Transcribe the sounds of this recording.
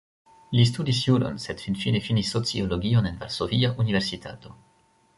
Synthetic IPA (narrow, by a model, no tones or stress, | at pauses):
lis̬tudis̬julo̰nsedfinfinefinisːot͡sioloɡio̞ne̞nva̰ɾsoviaʔunive̞ɾsitʰa̰to̞